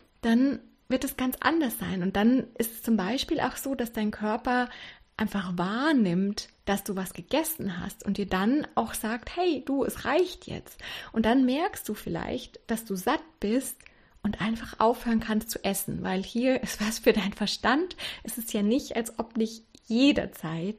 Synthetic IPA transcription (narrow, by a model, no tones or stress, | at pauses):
d̥an | vɪɐtɛsɡ̥ant͡sʔa̰ndɐsz̥a̰ɪnʊnt̚d̥anʔɪstɛst͡sʊmbaɪʃpiːlʔa̰ʊxz̥oːdasd̥aɪnkʰœɐpɐʔaɪnfaχvaːɐnɪmtd̥asd̥uːvasɡ̥əɡ̥ɛsn̩ɦa̰stʊntd̥iːɐdanaʊxz̥aːk̚thɛɪd̥uːɛsʁaɪçtʰjɛ̰t͡stʔʊnt̚d̥anmɛɐkstd̥uːfɪla̰ɪçtd̥asd̥uːzat̚b̥ɪst | ʔʊntʔaɪnfaχʔa̰ʊfhøːʁənkʰanstt͡suʔɛsn̩va̰ɪlhiːɐʔɪstv̥asfyːɐdaɪnfɛɐʃtantʔɛstɛstjaːnɪçtʔalsʔɔpdɪçtjeːdɐ̰t͡saɪt